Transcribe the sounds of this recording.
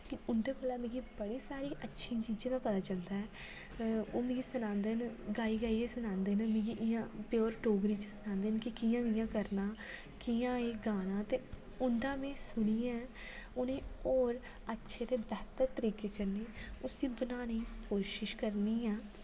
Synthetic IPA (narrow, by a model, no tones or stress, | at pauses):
kɪʊnd̪eːbəlaːmẽːɡiːbəɽiːsaːɾiːʔətːʃʰiːt͡ʃiːd͡ʒãːd̪aːpət̪aːt͡ʃəld̪aːɛː | oːmẽːɡiːsənãːnd̪enɡaːiːɡaːiːeːsənãːnd̪eːnmẽːɡiʔɪjãːpjoːɾʈoːɡɾiːt͡ʃsənãːnd̪eːnkɪkijãːɪjãːkəɾnaː | kiːãːeːɡaːnãːt̪eː | ʊnd̪ãːmẽːsʊniːã | ʊnẽːoːɾ | ətːʃʰeːt̪eːbɛːt̪əɾt̪əɾiːkeːkəɾneːʊsd̪iːbənaːniːkoːʃɪʃkəɾniːɛː